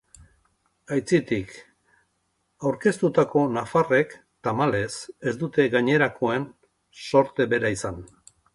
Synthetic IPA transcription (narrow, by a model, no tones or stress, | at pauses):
ajt͡sit̪ik | awɾke̞st̪ut̪ako̞nafare̞k | t̪amale̞sezd̪ut̪e̞ɡaɲe̞ɾakʰo̞e̞n | so̞ɾt̪e̞βe̞ɾaisan